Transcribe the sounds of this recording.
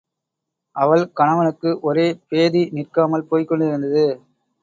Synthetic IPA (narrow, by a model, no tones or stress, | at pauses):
ʔɐʋɐɭkɐɳɐʋɐnɯkːɯʔɔɾeːpeːðinɪrkaːmɐlpoːjkːɔɳɖɪɾɯnd̪ɐðɯ